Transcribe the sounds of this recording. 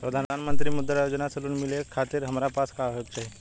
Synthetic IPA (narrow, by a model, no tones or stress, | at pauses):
pɾəd̪ʱaanmənt̪̬ɾimud̪ːɾajod͡ʒnasəluːnmilekʰat̪iːɾɦəmɾapaskaɦək̚t͡ʃʰe